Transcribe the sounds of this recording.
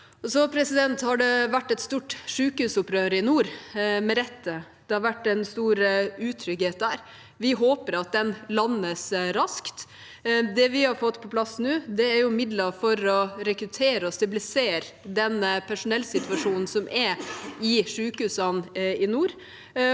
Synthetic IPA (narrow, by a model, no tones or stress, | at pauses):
ɔsɔpʰɾɛsɪd̪ɛnt̪hɑɖɛʋæʈːɛt̪st̪uːʈʂʉːkəhʉːsʊpɾøːɾəɪnuːɾmɛɾɛt̪ːə | d̪̥ɛhɑɾʋæʈːɛnst̪uːɾʉːt̪ʰɾʏɡheːt̪̚d̪æːɾ | ʋɪɦoːpəɾɑt̪̚d̪ɛnlɑnːəsɾɑskt̪ | d̪ɛʋɪhɑɾfɔt̪ːpʰɔplɑsːnʉːd̪ɛːɾjʊmɪd̪ləfɔɾɔɾɛkɾʉt̪ʰeːɾəɔst̪ɑblɪseːɾ | d̪ɛnpʰæʂʊnɛlsɪt̪ʉʋɑʂuːnn̩sɔmʔɛɪʂʉːkhʉːsɑnɪnuːɾ